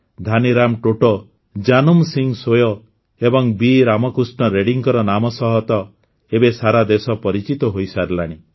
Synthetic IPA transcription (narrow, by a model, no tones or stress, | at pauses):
d̪ʱaniɾamʈoʈɔ | d͡ʒanumsiŋsojɔ | ebɔŋbiɾamɔkɾusʈɳɔɾeɽiŋkɔɾɔnamɔsɔɦɔt̪ɔ | ebesaɾad̪esɔpɔɾit͡ʃit̪ɔɦojsaɾlaɽ̃i